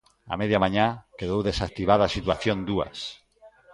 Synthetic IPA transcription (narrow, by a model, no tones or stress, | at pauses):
a̰meðjamaɲakeðowðesak̚t̪iβaðasit̪waθjond̪ua̰s